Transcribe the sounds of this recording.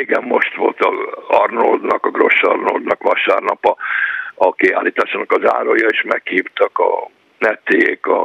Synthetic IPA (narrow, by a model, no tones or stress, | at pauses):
eːɡɛmːo̞ʃt̪ʋo̞lt̪ɒɒrnold̪nɒkɒɡro̞ʃːɒrnold̪nɒkʋɒʃaːrnɒpɒɒkiaːlːiːt̪aːʃaːnɒkɒza̰ːɾojɒeʃmɛkhiːft̪ɒkɒ | nɛt̪ːeekɒ